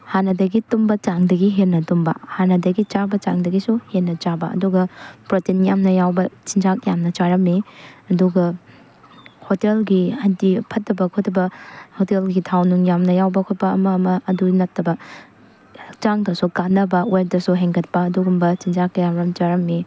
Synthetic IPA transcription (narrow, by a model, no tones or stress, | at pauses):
hanɐdɐɡitumbɐt͡ʃaŋdɐɡiɦennːɐtumbɐ̰hanɐdɐɡit͡ʃabɐt͡ʃa̰ŋdɐɡisuhenːɐt͡ʃabɐɐ̰duɡɐpɾotinjamnɐjawbɐt͡ʃind͡ʒak̚jamnɐt͡ʃaɾɐmːiɐduɡɐ | hotelɡihɐndipʰɐt̚ːɐbɐkʰotɐbɐhotelɡitʰawnuŋjamnɐjawbɐkʰot̚pɐːmɐːmɐːdunɐtːɐbɐ | t͡ʃaŋdɐsukanːɐbɐwep̚dɐsuɦeŋɡɐt̚pɐːduɡumbɐt͡ʃind͡ʒak̚ːɐjamɾɐmt͡ʃaɾɐmːi